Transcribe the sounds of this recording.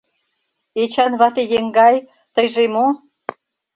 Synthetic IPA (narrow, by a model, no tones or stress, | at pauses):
et͡ɕɑnβɑt̪ejeŋɡɑj | t̪əjʒemo